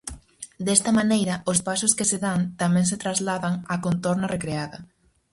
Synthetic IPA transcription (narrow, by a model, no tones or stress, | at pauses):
d̪ɛst̪ɐmanejɾɐʊspasʊskɪseðant̪amɛ̃ŋs̬et̪ɾazlaðɐŋakont̪oɾnɐrekɾeaðɐ